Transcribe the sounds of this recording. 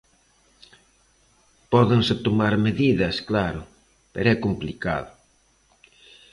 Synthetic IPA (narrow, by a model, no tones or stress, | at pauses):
pɔðɪŋset̪omaɾmeðiðɐsklaɾʊ | pḛɾɛkomplika̰ðʊ